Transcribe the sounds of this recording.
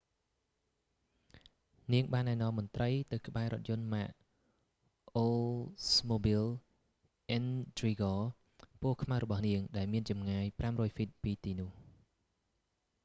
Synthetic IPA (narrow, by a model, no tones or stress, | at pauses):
niəŋɓaːnːaɛnɔ̆əmːont̪rəjt̪ɨwkə̆ɓaɛɾŏət̪̚jʊ̆ənmaʔ | ʔolsmoːbil | ʔɛnt̪riːɡɔː | pʊəhkʰmahrɔɓɑhniəŋɗaɛlmiənt͡ɕɑmŋaːjpramrɔːjfit̪̚piːt̪iːnʊ̆əh